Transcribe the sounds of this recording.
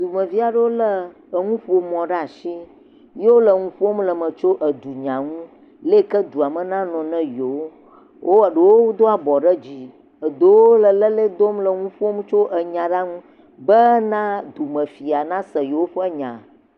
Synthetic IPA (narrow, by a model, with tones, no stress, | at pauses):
d̪u˨mə̃˨vi˦a˨ɖə˦wo˦lə˦ | ə˨ŋũ˦ɸo˨mɔ̃˨ɖɛ˦a˨ʃi˦ | je˦wo˦lə˨ŋũ˦ɸo˦mlə˨mə̃˨t͡ʃo˦ʔə˨d̪u˨ɲã˨ŋũ˦ | le˦kə˦d̪u˨a˨mə̃˨nã˦nɔ̃˨nɛ̃˦jo˨˦ | wʔo˦ə˨ɖə˨wo˦wo˦d̪o˦a˨bɔ˨ɖə˦d͡ʑi˦ | ə˨d̪o˦wo˦lə˨lə˦le˦d̪o˦mlə˨ŋũ˦ɸo˦m˦t͡ʃo˦ʔə˨ɲã˨ɖa˦ŋũ˦ | bə˦nã˦d̪u˨mə̃˨fi˨a˨nã˦sə˨jo˨wo˦ɸə˦ɲã̰˨